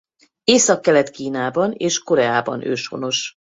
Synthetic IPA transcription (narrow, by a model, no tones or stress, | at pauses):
eːsɒkːɛlɛt̪kiːnaːbɒneːʃko̞ɾɛaːbɒ̰nøːʃho̞̰no̞ʃ